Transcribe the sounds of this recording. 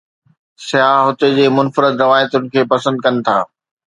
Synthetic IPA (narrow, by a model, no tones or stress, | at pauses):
sɪjaːɦʊt̪ed͡ʑeːmʊnfɾɪd̪ɾɐʋaːjət̪ʊnɪ̆kʰeːpɐsə̃nd̪̚kɐnɪ̆t̪ʰaː